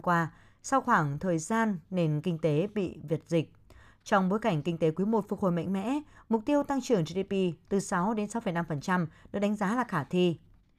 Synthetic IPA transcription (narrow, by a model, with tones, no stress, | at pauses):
kwaː˧ | sa˧wxwaː˧˩ŋt̪ʰəː˨˩jzaː˧nːe˨˩nkï˧ŋ̟t̪e˨˦ɓḭ˧˨vi˨˩ət̚zï˨˩k̟̚ | t͡ɕɔ˧wŋ͡mɓo˨˦jka˧˩jŋ̟kï˧ŋ̟t̪e˨˦kwi˨˦əmo˨˩t̚fu˧˩k̚ho˨˩jma̰˧˨ŋ̟mɛ̰˧˥mʊ˨˩k͡p̚t̪i˧əwt̪a˧ŋt͡ɕɨ˧˩əŋzi˧ɗi˧pi˧t̪ɨ˨˩sa˨˦wɗe˨˦nsa˨˦wfə˧˩jna˧mfə˨˩nt͡ɕa˧mɗɨ̰˧˥ɗa˨˦jŋ̟zaː˨˦laː˨˩xaː˧˩t̪ʰi˧